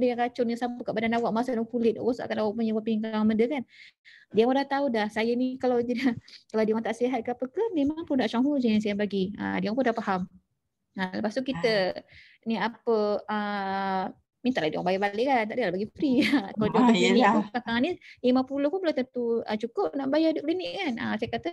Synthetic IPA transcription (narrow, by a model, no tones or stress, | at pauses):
dəjakat͡ʃʊrɲasamppəkaʔbadanawaʔmasadakulɪt̪̚kusa̰ʔkanawaʔpuɲəwapiŋkaŋaməndəkandiapudaht̪audahsajənikalawt̪idahkalawdiwaŋt̪aʔsiɦat̪̚kəapəkəmemaŋpundaʔt͡ʃaŋɦud͡ʒans̬ajabaɡiə̰diaŋpundahpaham | ələpast̪ukit̪ə | niapəə | mint̪aʔladiwa̰ŋbajabaleʔkant̪aʔdilahbaɡipufɾikaladiaaliniʔukakaŋanilimapulohpunbəlat̪ənt̪uət͡ʃukʊp̚naʔbajaduk̚linɪʔkanə̰sajakat̪ə